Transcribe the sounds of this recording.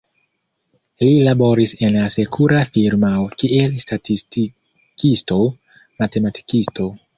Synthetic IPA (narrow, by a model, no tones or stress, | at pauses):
lilabo̞ɾise̞nlase̞kʰuɾafiɾmaokie̞lstatʰisti | kisto̞ | mate̞matʰi̥kisto̞